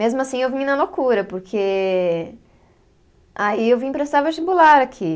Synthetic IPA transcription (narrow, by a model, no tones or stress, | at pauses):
mezmʊasĩewvĩnɐlokuɾɐpoɾkʰe | aiewvĩpɾest̪avɐt͡ʃibulaɾakʰi